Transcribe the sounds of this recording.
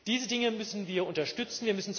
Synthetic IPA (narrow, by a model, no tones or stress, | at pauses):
d̥iːzədɪŋəmʏsn̩viːɐʔʊntɐʃtʏt͡sn̩viːɐmʏsn̩t͡s